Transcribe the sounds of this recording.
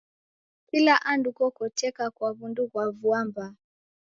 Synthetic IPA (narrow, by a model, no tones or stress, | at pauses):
kilaʔandukɔkɔtɛkakwaβunduɣwavuamba